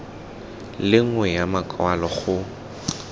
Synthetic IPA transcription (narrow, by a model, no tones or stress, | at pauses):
lɪŋ̩wɛjamakʼwalɔχʊ